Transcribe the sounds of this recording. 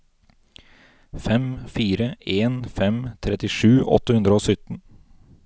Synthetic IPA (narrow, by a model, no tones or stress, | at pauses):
fɛmfiːɾəeːnfɛmt̪ʰɾɛt̪ɪʂʉːʔɔ̰t̪əhʉnd̪ɾəoːsʏt̪n̩